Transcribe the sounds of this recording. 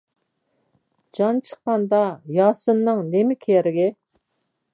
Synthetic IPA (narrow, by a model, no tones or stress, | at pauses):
d͡ʒɑnt͡ʃʰə̥qːɑnd̪ɑjɑːsɨnːɨŋnemɪkʲʰeɾɪɡʲɛ